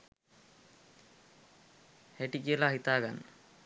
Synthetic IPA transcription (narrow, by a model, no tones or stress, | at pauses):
heʈikiəlaɦit̪aːɡanːə